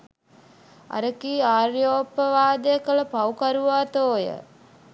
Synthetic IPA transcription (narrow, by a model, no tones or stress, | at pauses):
a̰ɾəkiːaːrjoːpːəʋaːd̪əjəkələpawkaɾuʋaːt̪oːjə̰